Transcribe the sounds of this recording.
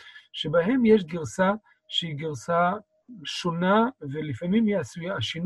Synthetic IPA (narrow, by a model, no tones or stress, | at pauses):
ʃebaɦemjeʃ̬ɡiʁsa | ʃeiɡiʁsa | ʃonavelifamimjiasujaaʃin